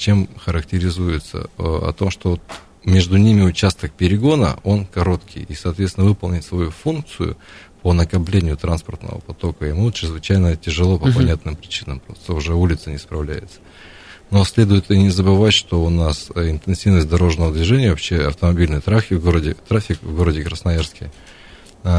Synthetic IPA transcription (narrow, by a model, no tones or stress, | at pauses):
t͡ɕe̞mxəɾəktʲɪɾʲɪzujɪt̪sə̰ɐ̰t̪o̞mʂt̪ovot̪ | mʲe̞ʐd̪ʊnʲimʲɪʊt͡ɕast̪ək̚pʲɪɾʲɪɡo̞nə̰o̞nkɐɾo̞t̪kʲʰɪ̰jisɐːt̪vʲesʲɪnəvɨpəlˠnʲɪtʲsvɐjufunk̚t̪sɨjʊ̰ponəkɐplʲenʲɪjʊt̪ɾanspərt̪nə̰və̰pɐt̪o̞kəɪmut͡ɕɪɾʲɪzvɨt͡ɕæjnətʲɪʐɨlˠo̞pəpɐnʲat̪nɨmpɾʲɪt͡ɕinəmpɾo̞st̪əʊʐɛulʲɪt̪sənʲɪspɾɐvlʲæjɪt̪sə̥ | no̞sʲlʲe̞d̪ʊjɪt̪ɨnʲɪzəbɨvatʲʂt̪o̞ʊnasɪnt̪ɨnsʲivnəsʲt̚ʲd̪ɐɾo̞ʐnəvəd̪vʲɪʐɛnʲɪjəvɐpɕːeɐ̰ft̪əmɐbʲilʲnɨjət̪ɾafʲɪvɡoɾədʲɪt̪ɾafʲɪkvɡo̞ɾədʲɪkɾəsnɐjarskʲɪj